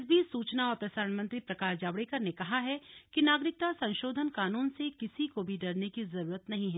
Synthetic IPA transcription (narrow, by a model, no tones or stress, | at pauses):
sbʱisuːt͡ʃnaɔːɾpɾɐsaːɾənmɐ̃nt̪ɾipɾɐkaːɾd͡ʒaːbɽekɐɾnekɐɦaɦɛkinaːɡɾɪk̚t̪asɐ̃nʃoːd̪ʱənkaːnuːnsekɪsikobʱiɖɐɾnekizɐɾuːɾət̪nɐɦĩɦɛ̃ː